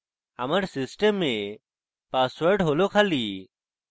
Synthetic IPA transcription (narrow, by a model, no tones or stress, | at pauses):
ə̰məɾsɪsʈəmːẽː | paːsʋəɾɖɦoːloːkʰaːliː